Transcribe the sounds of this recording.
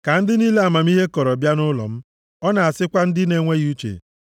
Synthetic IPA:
ka˨n̩˦dɪ˦niː˦le˦a˨ma˨m̩˦i˦ɦe˦kɔ˨ɾɔ˨bja˦nʊ˦lɔ̰˨m̩˦ | ɔ˦na˨a˨sɪ˦kʷa˦n̩˦dɪ˦ne˨ŋʷe˦ɣu˦t͡ʃḛ˨

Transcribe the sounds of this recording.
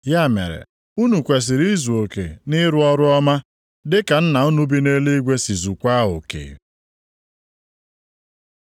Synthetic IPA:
ja˦˨mḛ˨ɾḛ˨ | u˦nu˨kʷe˨s̬ɪ˨ɾi˦zu˨o˨kḛ˨nɪ˦ɾʊ˦ɔ˦ɾʊ˦ɔ˦ma˦ | dɪ˦ka˨n̩˦na˨u˦nu˦bi˦ne˦le˦ɡʷe˦si˨zu˨kʷa˦o̰˨kḛ˨

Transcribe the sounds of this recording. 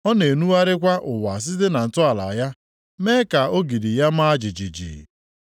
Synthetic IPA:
ɔ˦ne˨nu˦a˦ɾɪ˦kʷa˦ʔʊ˨wa˨s̬ɪ˦ze˦na˨n̩˨tʊ˦a˨la˨a˨ja˦ | me˦ka˨o˦ɡi˨di˨ja˦m˦a˦d͡ʒi˨d͡ʒi˨d͡ʒḭ˨

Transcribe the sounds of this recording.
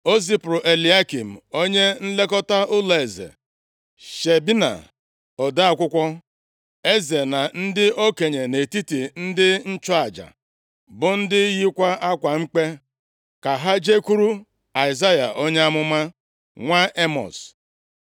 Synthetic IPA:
o˦si˦pɾʊ˨ʔe˨li˨˦a˦ki˨m̩˨o˦ɲe˦n̩˦le˦kɔ˦ta˦ʊ˦le˨e˨zḛ˨ | ʃe˨bi˦na̰˨ | ɔ˨da˦a˦kʷʊ˦kʷɔ˦ | e˦ze˨na˨n̩˦dɪ˦ʔo˦ke˨ɲe˨ne˨ti˦ti˨n̩˦dɪ˦n̩˦t͡ʃɔ˦a˨d͡ʒa̰˨ | bʊ˨n̩˦dɪ˦ji˦kʷa˦ʔa˦kʷa˨ŋ͡m̩˦k͡pe˦ | ka˨ɦa˦d͡ʒe˦ku˦ɾu˦ | a˨ɪ˨za˦ja̰˨ʔo˦ɲe˦a˦mʊ˦ma˦ | ŋʷa˦ʔe˦mɔ̰˨s

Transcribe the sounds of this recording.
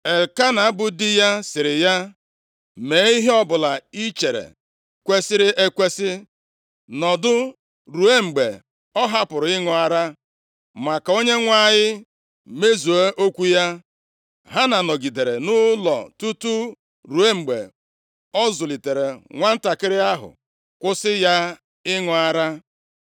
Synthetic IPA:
e˨ka˦na˨a˦bʊ˦dɪ˦ja˦sɪ˨ɾɪ˨ja˦ | me˨˦i˦ɦe˦ɔ˦bʊ˨la˨i˦t͡ʃe˨ɾḛ˨ | kʷe˦sɪ˦ɾɪ˦ʔe˦kʷe˦sɪ˦ | nɔ˨dʊ˦ | ɾu˨e˦ŋ͡m̩˨ɡ͡be˨ | ɔ˦ɦa˦pʊ˨ɾʊ˨ɪ˦ŋʊ˨a˨ɾa˦ | ma˨ka˨o˦ɲe˦ŋʷa˦˨ɲɪ˦ | me˦zu˨e˦ʔo˦kʷu˦ja˦ | ɦa˦na˨nɔ˨ɡi˨de˨ɾe˨nʊ˦lɔ̰˨tu˦tu˦ | ɾu˨e˦ŋ͡m̩˨ɡ͡be˨ | ɔ˦zʊ˨li˨te˨ɾe˨ŋʷa˦n̩˦ta˨kɪ˦ɾɪ˦a˦ɦʊ̰˨ | kʷʊ˦sɪ˦ja˦ | ɪ˦ŋʊ˨a˦ɾa˦

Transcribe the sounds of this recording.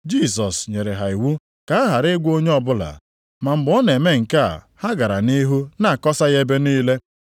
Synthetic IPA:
d͡ʒi˦˨s̬ɔ˨sɲe˨ɾe˨ɦa˨i˨wu˦ | ka˨a˦ɦa˨ɾɪ˦ɡʷo˦ɲe˦ɔ˦bʊ˦la̰˨ | ma˨m̩˨bɔ˦ne˨me˦ŋ̩˨ka̰˦˨ | ha˦ɡa˨ɾa˨ni˦ɦu˦na˦˨kɔ˦sa˦ɣe˦be˦niː˦le˦

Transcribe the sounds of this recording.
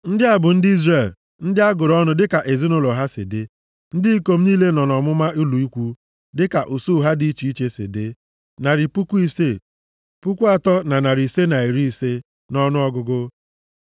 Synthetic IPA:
n̩˦dɪ˦a˨bʊ˨n̩˦dɪ˦i˦zre˨l | n̩˦dɪ˦a˦ɡʊ˨ɾɔ˦nʊ˦dɪ˦ka˨ʔe˨zi˦nʊ˦lɔ˨ɦa˦sɪ̰˨de˦ | n̩˦di˦i˦ko˦m̩˦niː˦le˦nɔ˨nɔ˨mʊ˦ma˦ʔu˦lu˨i˦kʷu˦ | dɪ˦ka˨ʔu˨su˦ɦa˦di˨i˦t͡ʃi˨i˦t͡ʃe˦sɪ̰˨de˦ | na˨ɾɪ˨pu˦kʷu˦i˦se˦ | pu˦kʷu˦a˨tɔ˦na˨na˨ɾi˨se˦na˨i˨ɾi˦i˨se˦ | nɔ˦nʊ˦ɔ˦ɡʊ˦ɡʊ˦

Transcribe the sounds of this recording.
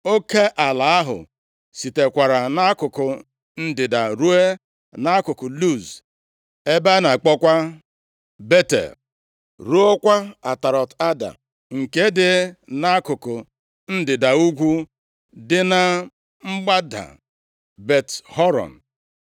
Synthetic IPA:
o˦ke˦ʔa˨la˨a˦ɦʊ̰˨ | si˨te˨kʷa˨ɾa˨na˦kʊ˨kʊ˨ | n̩˦dɪ˨da˨ɾu˦e˦ | na˦kʊ˨kʊ˨lu˦˨z | e˦ba˦na˨k͡pɔ˦kʷa˦ | be˦tḛ˨l | ɾu˦o˦kʷa˦a˨ta˨ɾɔ˨ta˦da̰˨ | ŋ̩˨ke˦dɪ˨na˦kʊ˨kʊ˨ | n̩˦dɪ˨da˨u˦ɡʷu˦ | dɪ˦na˦ | ŋ͡m̩˦ɡ͡ba˦da̰˨ | be˨thɔ˦ɾɔ̰˨n̩˨

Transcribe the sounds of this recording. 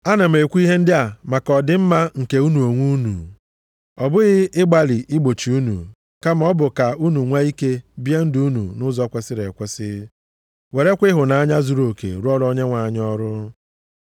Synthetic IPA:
a˦na˨m̩˨e˨kʷu˦i˦ɦe˦n̩˦dɪ˦a˨ma˨kɔ˨dɪ˨m̩˦ma˦ŋ̩˨ke˨u˦nu˨o˨ŋʷu˦nṵ˨ | ɔ˨bʊ˦ɣɪ˦ʔɪ˦ɡ͡ba˨lɪ˨ʔɪ˦ɡ͡bo˨t͡ʃi˨u˦nṵ˨ | ka˦m̩˦ɔ˦bʊ˨ka˨u˦nu˨ŋʷa˦i˦ke˦bje˦n̩˦du˦u˦nṵ˨nʊ˦zɔ˦kʷe˦sɪ˦ɾḛ˨kʷɛ˦sɪ̰˦ | we˨ɾe˦kʷɪ˦ɦʊ˨na˨a˦ɲa˦zu˨ɾo˨kḛ˨ɾʊ˦ɔ˦ɾɔ˦ɲe˦ŋʷa˨ɲ˦ɔ˦ɾʊ˦

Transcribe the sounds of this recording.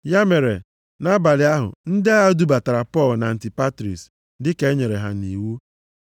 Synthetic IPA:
ja˦me˨ɾe˨ | na˦ba˨lɪ˨a˦ɦʊ̰˨n̩˦dɪ˦a˦ɦa˦du˦ba˨ta˨ɾa˨pɔ˦˨lna˨n̩˨ti˨pa˦tɾḭ˨s | dɪ˦ke˦ɲe˨ɾe˨ɦa̰˨ni˨wu˦

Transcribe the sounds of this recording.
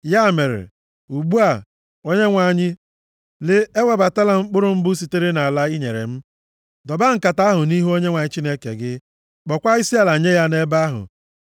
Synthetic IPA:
ja˦˨me˨ɾḛ˨ | u˨ɡ͡bu˦a˨ | o˦ɲe˦ŋʷa˨ɲɪ˦ | lɪ˦e˦we˨ba˨ta˦la˦ŋ͡m̩˦k͡pʊ˦ɾʊ˦m̩˦bu˦si˨te˦ɾe˦na˨a˨la˦i˦ɲe˨ɾḛ˨m̩˦ | dɔ˨ba˦ŋ̩˨ka˨ta˦ɦʊ˨ni˦ɦu˦o˦ɲe˦ŋʷa˨ɲɪ˦t͡ʃi˦ne˦kḛ˨ɡɪ˦ | k͡pɔ˨kʷa˦i˦si˦a˦la˨ɲe˦ja˦ne˦ba˦ɦʊ̰˨

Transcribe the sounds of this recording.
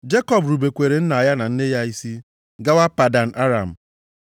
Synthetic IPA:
d͡ʒe˦kɔ˦˨bɾu˨be˨kʷe˨ɾe˨n̩˦na˨a˨ja˦na˨n̩˦ne˦ja˦i˦si˦ | ɡa˦wa˦pa˨da˨n̩˨ʔa˦ɾa˨m̩˨

